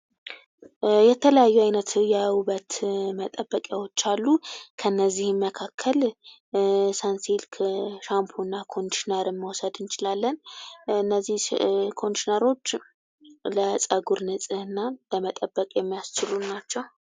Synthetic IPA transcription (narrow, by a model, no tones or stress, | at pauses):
jɛt̪ʰələjajːuajnət̪jɛwubət̪mət̪ʼəbəkʼjawot͡ʃːalːukʰənːəzːihməkʰakʰːəl | sansilkʰʃampʰonːakʰo̞nʃinəɾmːəwɔsəd̪ɨnt͡ʃɪlalːənɨnːəzːihkʰo̞nʃinəɾo̞t͡ʃː | ləsʼəɡuɾnɨsʼɨhɨnːaləmət̪ʼəbːəkʼjɛmːijast͡ʃɪlunat͡ʃːɛw